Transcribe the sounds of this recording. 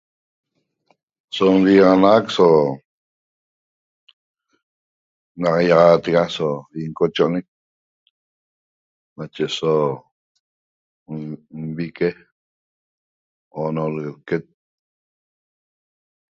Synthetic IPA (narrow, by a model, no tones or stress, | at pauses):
somʁiʁɑnʁakso | nɑqjɑʁɑːt̪eɣasoiŋkot͡ʃoʔonek̚ | nat͡ʃeso | mβike | onolɣelket̪̚